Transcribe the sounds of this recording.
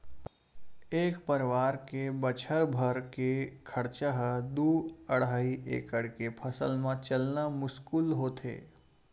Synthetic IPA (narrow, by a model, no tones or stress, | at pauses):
eːkpəɾʋaːɾkebət͡ʃʰəɾbʱəɾkekʰəɽt͡ʃəɦd̪uəɽaːiʔḛːkəɽkepʰəsəlmãt͡ʃəlnamʊskuːlɦoːt̪ʰḛː